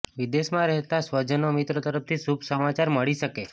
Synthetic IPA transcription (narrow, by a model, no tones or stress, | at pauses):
ʋid̪eʃmãɾɛɦt̪asʋəd͡ʒənomit̪ɾot̪əɾəft̪ʰisubʱsəmat͡ʃaɾməɭiʃəke